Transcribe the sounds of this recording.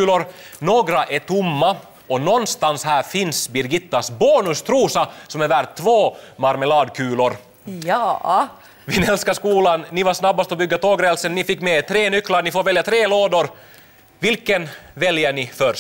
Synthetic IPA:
ʉːlʊɾ | noːɡɾaʔɛʈʰʊmːa | ɔnɔnːst̪anshæːɾfɪnsbɪɾɡɪt̪ːasbɑːnɵst̪ʰɾuːsasɔmɛvæɾt̪ʰːvoːmaɾməlɑːd̪kʰʉ̟ːlʊɾ | jjɑ | vɪnɛlskaskuːlanːɪvaɾʂnabːast̪ɔbʏɡːat̪ʰoːɡɾeːɛlsənːɪfɪkːmɛt̪ʰɾeːnʏkːlaɾɳɪfoːɾvɛljat̪ʰɾeːloːd̪ʊɾ | vɪlkənvɛljəɳɪfœɾ

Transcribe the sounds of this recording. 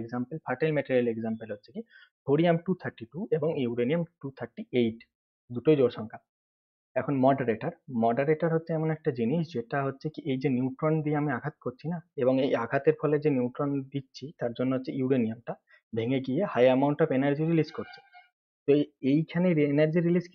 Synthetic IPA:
eɡzampelpʰaɾʈelmɛʈeɾialeɡzampelɦotːɕʰekibʱoɽijamʈut̪ʰaɾʈiʈueboŋiwɾeniamʈut̪ʰaɾʈiejʈ | d̪uʈojd͡ʑoɾʃɔŋkʰa | ɛkʰonmɔɖaɾeʈaɾmɔɖaɾeʈaɾɦotːɕʰeɛmonɛk̚ʈad͡ʑiniʃd͡ʑeʈaɦotːɕʰekiʔejd͡ʑenuwʈɾond̪ieamiaɡʱat̪koɾt͡ɕʰinaebɔŋejaɡʱat̪eɾpʰɔled͡ʑeniuʈɾond̪itːɕʰit̪aɾd͡ʑonːoɦotːʰeiuɾeniamʈa | bʱeŋeɡijehajamawɳʈɔpenaɾd͡ʑiɾiliskoɾt͡ɕʰe̥ | t̪oejkʰaneɾenaɾd͡ʑiɾilis

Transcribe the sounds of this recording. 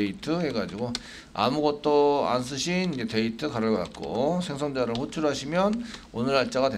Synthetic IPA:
itʰɯhe̞ɡad͡ʑiɡo | a̰muɡʌt̚t͈oa̰ns̬͈ʰɯɕʰinid͡ʑe̞te̞itʰɯkaɾɯɭɡʌkat̚k͈o̰sʰe̞ŋs̬ʰʌŋdeaɾɯɭɸot͡ɕʰuɾɦaɕʰimjʌnonɯɾaɭt͡ɕ͈aɡade

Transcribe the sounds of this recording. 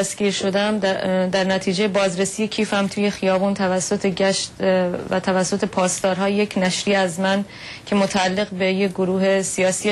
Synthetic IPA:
æsɡiːɾʃo̞d̪æmd̪æɾnæt̪ʰiːd͡ʒejebɒːzɾesije̞cʰiːfhæmt̪ʰuːje̞xijɒːbuːnt̪ʰævæsːot̪ʰeɟæʃt̪væ̰t̪ʰævæsːot̪ʰe̞pʰɒːst̪ɒːɾɦɒːjjecʰnæʃɾiːæzmæn | cʰe̞mot̪ʰæːlːeɣbejeɡoɾuːɦe̞sijɒːsiː

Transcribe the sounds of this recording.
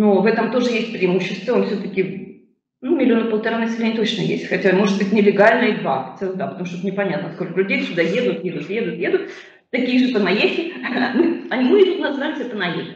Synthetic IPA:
novɛt̪əmt̪o̞ʐɨjesʲt̚ʲpɾʲɪɪmuɕːɪst̪vəonfsʲɵt̪əkʲɪ | numʲɪlʲɪo̞nəpəlˠt̪ɐɾanəsʲɪvʲenʲt̪ot͡ɕnəjḛsʲtʲxɐtʲamo̞ʐɨd̪̚bɨtʲnʲɪlʲɪɡalʲnəid̪vaxɐ̥sʲɛlˠəd̪apət̪ɐmuʂ̬t̪ɛt̪nʲɪpɐnʲat̪nəskolʲkəlʲʉdʲejsʲʊd̪ajed̪ʊt̪jed̪ʊt̪jed̪ʊt̪jed̪ʊt̪ | t̪ɐkʲiːəʐɨp̪ənɐjesʲɪnoɐnʲimɨjɪd̪ʊt̪nɐzvalʲsʲɛp̪ənɐjḛtʲ

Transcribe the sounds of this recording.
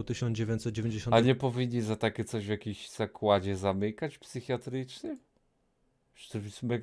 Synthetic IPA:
t̪ɘɕɔnd͡ʑevʲjẽɲt͡ɕ̪ʲsɛt̪̚d͡ʑevʲẽɲd͡ʑeɕɔ̃aɲɛpɔvʲiɲʲːizat̪akʲɛt̪sɔʑvjakʲiɕz̥akwad͡ʑɛzamɘkat͡ɕpsɘxʲjat̪ɾɘt͡ʂnɘ | ʂt̪ɛvʲismɛɡ

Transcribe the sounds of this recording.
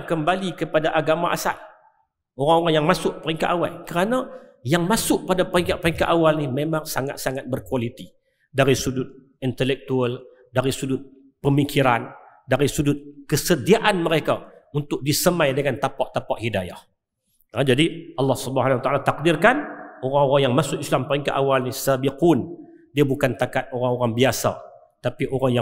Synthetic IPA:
kəmbalikəpadaʔaɡamaʔa̰sa̰l | oɾaŋoɾaŋjaŋmasʊʔpəɾiŋkaʔ̪awa̰lkəɾanajaŋmasʊʔ̚padapəɾiŋkaʔpɾiŋkaʔ̪awalnimemaŋsaŋa̰t̪̚saŋat̪̚bərkwalit̪i | daɾisudʊt̪̚ | int̪əlɛk̚t̪uəl | daɾisudʊt̪̚ | pəmikʰiɾandaɾisudʊt̪̚kəsədiaʔanməɾekaunt̪ʊk̚disəmãjdəŋant̪apaʔt̪apaʔhidaja̰h | əd͡ʒadiʔɑlːɑhsubəɦanawat̪aʔalat̪ak̚dirkanoɾaŋoɾaŋjaŋmasʊkislampaiŋkaʔawalnisabiqun | diabukant̪akat̪̚oɾaŋoɾaŋbiasa̰ | t̪apiʔoɾaŋja

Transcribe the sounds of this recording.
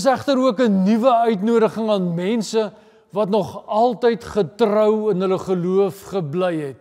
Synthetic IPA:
s̬æχtəɾuəkənivəœɥtnuəɾəχəŋɑːnmɛnsə | vɐtnɔχɐlˠtəjtχətrœwənɦələχəluəfχəblɛjɦɛt̚

